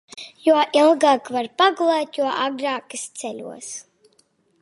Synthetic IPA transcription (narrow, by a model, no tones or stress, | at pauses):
juɔʔilˠɡaːkvaɾpaɡulˠɛːt̪juɔʔaɡɾaːkɨst̪sɛlʲṵɔs